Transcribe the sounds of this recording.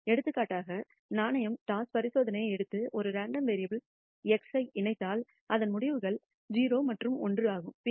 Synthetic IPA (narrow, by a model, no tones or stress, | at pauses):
ɛɽɯt̪ːɯkːaːʈːaːɣɐ | naːnɐjɐmʈaːspɐɾɪsoːðɐnɐjɐɪɛɽɯt̪ːɯʔɔɾɯɾaːɳɖɐmʋeːɾɪjɐbɪl | ɛksɐɪʔɪnɐɪt̪ːaːl | ɐðɐnmʊɽɪʋɯɣɐɭ | d͡ʒiːɾoːmɐʈrɯmɔndrɯaːɣɯm